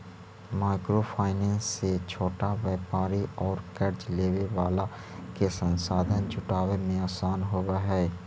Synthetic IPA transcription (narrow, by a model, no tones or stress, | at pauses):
maːɪkɾopʰaːɪnɛ̃ːnsːet͡ʃʰoːʈaʋeːpaːɾiɔːɾkəɾt͡ʃleːʋeʋaːla | kesə̃nsaːd̪ʱənt͡ʃʊʈaːʋemẽaːsaːnɦoʋaɦɛː